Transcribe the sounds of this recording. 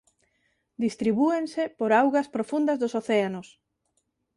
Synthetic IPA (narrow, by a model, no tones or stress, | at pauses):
d̪ist̪ɾiβuensepoɾawɣɐspɾofund̪ɐzðoʊsoθeanos